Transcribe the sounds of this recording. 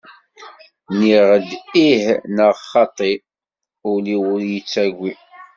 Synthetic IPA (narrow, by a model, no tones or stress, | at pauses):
niʁəd̪ihnəʁχɑt̪ˤːi | ʊliwʊɾjət͡sːæɡʷːi